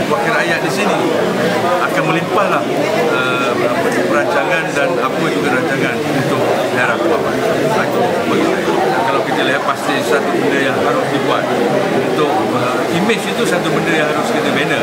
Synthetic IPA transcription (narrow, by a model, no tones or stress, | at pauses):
wakɪɾajaʔ̚disini | əakanmə̃limpahlah | ə | əpəɾaɲt͡ʃaŋãndanapəd͡ʒuɡaɾaɲt͡ʃaŋãnunt̪ʊk̚ | haɾapuapa | at̪ɔ | bət̪ʊakalawkit̪əliɦat̪̚past̪isat̪ubəndəjaŋɦaɾʊsdibuat̪̚ | unt̪ʊk̚ | ə | imɪt͡ʃit̪usat̪ubəndəjaŋɦaɾʊskit̪əbenə